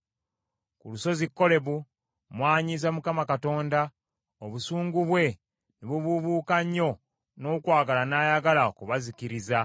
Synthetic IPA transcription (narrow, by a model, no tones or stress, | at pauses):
kuluso̞zikːo̞le̞βu | mwaːɲizamukamakato̞ːnda | oβusuːŋɡuβwe̞ | niβuβuβuːkaɲːo̞ | no̞ːkwaːɡalanaːjaɡalaokuβazikiɾiza